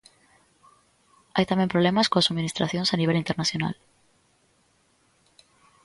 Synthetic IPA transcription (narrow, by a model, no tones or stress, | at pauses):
ajt̪amje̞mpɾole̞maskoasumĩnist̪ɾaθjo̞nsaniβ̞e̞lint̪e̞ɾnaθjo̞na̰l